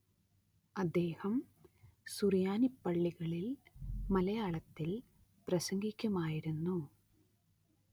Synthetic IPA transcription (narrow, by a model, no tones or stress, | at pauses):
ɐd̪ːe̞ːhɐm | surijaːnipːɐɭːiɣɐɭilmɐlɐjaːɭɐt̪ːil | prɐsɐŋɡikʲːɐmaːjiɾunːu